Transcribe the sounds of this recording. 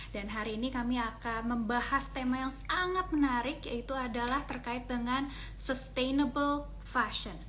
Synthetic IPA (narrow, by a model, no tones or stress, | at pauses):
danɦaɾiːnikamiakanməmbahast̪emajaŋsaŋat̪̚mənaɾɪkjait̪uadalaht̪ərkaɪt̪̚dəŋan | səst̪enəbəl | faʃən